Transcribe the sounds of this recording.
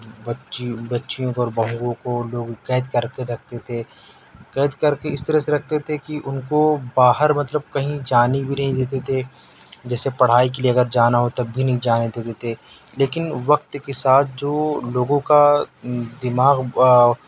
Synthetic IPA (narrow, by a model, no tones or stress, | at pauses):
bɐʃbɐtːʃijõkoɔːɾbɐɦũɡõkoloːɡkɛːd̪kɐɾkeɾɐk̚ʰt̪et̪ʰe | kɛːd̪kɐɾkeɪst̪ɐɾəseɾɐk̚ʰt̪et̪ʰekiʔʊnkobaːɦəɾmɐt̪ləb̚kɐɦĩd͡ʒaːnibʱinɐɦĩd̪eːt̪̬et̪ʰe | d͡ʒɛːsepɐɽ̤aːik̬elieɐɡəɾd͡ʒaːnaɦot̪ɐbːʱinɐɦĩd͡ʒaːned̪eːt̪et̪ʰe | leːkɪnʋɐqt̪kesaːt̪̚ʰd͡ʒoːloːɡõka | d̪ɪmaːɣ